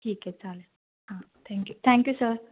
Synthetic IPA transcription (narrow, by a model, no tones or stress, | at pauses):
ʈʰiːkɛt͡sale | hãt̪ʰɛ̃ŋkjut̪ʰɛ̃ŋkjusəɾ